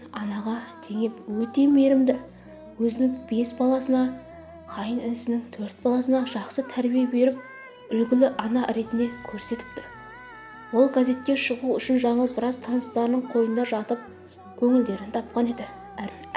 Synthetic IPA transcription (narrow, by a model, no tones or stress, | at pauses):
ɑnɑʁɑt̪ʰe̞ŋe̞pwɵt̪e̞me̞ɾɪmd̪ɪ | wɵzɪnɪŋbe̞sbɑlˠɑsənɑ | qʰɑjənɪnɪsɪnɪŋt̪ʰɵɾt̪̚bɑlˠɑsənɑʒɑqsət̪ʰæɾbijebe̞ɾɪp̚ | ʏlɡʲɪlɪʔɑnɑɾe̞t̪ɪne̞kʲʰɵɾse̞t̪ɪ̥p̚t̪ɪ | wo̞lˠɡaze̞t̪̚kʲe̞ʃəʁuʏʃɪnʒɑɴəlˠbɪɾɑzt̪ʰɑnəst̪ɑɾnəɴqʰo̞jənd̪ɑʒɑt̪əp̚ | kʲʰɵŋɪld̪e̞ɾɪnt̪ʰɑp̚qɑne̞d̪ɪ | æ